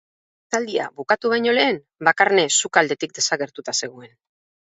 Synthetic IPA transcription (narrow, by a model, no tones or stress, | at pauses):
t̪ald̪ia̰βukat̪uβ̞ajɲo̞le̞ːm | bakaɾnesukald̪e̞t̪ik̚d̪e̞saɣe̞ɾt̪ut̪ase̞ɣ̞oe̞n